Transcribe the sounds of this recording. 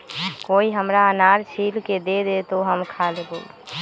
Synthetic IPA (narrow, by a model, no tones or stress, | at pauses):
koiɦəmɾaənaɾt͡ʃʰilked̪ed̪et̪oɦəmkʰalebol